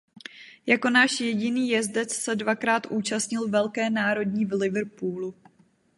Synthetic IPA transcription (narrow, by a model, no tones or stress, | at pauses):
jako̞naːʃjɛɟɪniːjɛzdɛt͡ssɛdvakɾaːt̪ʔuːt͡ʃast̪ɲɪlvɛlkɛːnaːɾo̞dɲiːvlɪvrpuːlu